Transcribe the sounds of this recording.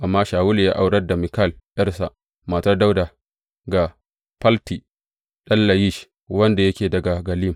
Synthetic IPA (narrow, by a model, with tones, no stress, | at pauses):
ʔa˨mːaː˦ʃaː˨wʊ˦ljaː˦ʔa˨wɽɐ˦rda˨mɪ˨ka˦˨ljɐ˦rsa˨ʔ | maː˨tɐ˦rda˦wda˨ | ɡa˨ | pɐ˦lti˨ | ɗɐ˦nːɐ˨ji˦ʃ | wɐ˦nda˨jɐ˦kʲeː˨dɐ˨ɡa˨ɡɐ˨liː˦m